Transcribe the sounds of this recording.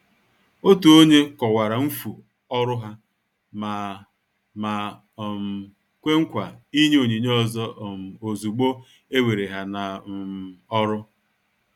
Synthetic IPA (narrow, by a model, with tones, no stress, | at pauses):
o˦tu˨o˦ɲe˦kɔ˨wa˨ɾa˨m̩˦fu˨ | ɔ˦ɾʊ˦ɦa˦ | ma˨ | ma˨ | m˨ | kʷe˦ŋ̩˦kʷa˨i˦ɲe˦o˨ɲi˨ɲ˦ɔ˦zɔ˦˨m̩˨o˨zu˨ɡ͡bo˦ | e˦we˨ɾe˨ɦa˨na˨ | ɔ˦ɾʊ˦